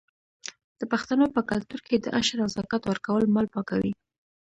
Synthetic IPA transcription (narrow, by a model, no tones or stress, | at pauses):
d̪̥əpaxt̪anopəkalt̪uɾked̪əʔaʃɾazɑkat̪wəɾkawəlmɑlpɑkawi